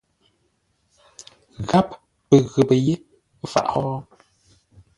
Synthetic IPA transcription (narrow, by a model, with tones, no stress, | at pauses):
ɣa˦p̚ | pə˨ɣə˨pə˨je˦ | fa̰˨ʔɔ˦